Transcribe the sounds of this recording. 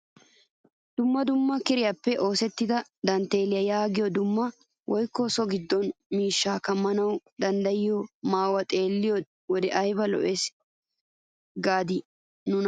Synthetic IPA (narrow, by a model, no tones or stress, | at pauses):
d̪̥ʊmːɐd̪ʊmːɐkɪɾɪjapːɛʔo̞ːsɛt̪ːɪd̪ɐd̪ɐnt̪ːe̞ːlɪjɐjaːɡɪjɔd̪ʊmːɐ | wʔɔjkːɔsɔɡɪd̪ːɔnmiːʃːaːkɐmːɐnɐwd̪ɐnd̪ɐjɪjɔmaːwɐt̪ʼe̞ːlːɪjɔ | wɔd̪ɛʔɐjbɐlɔ̰ʔes | ɡaːd̪ɪ | nʊn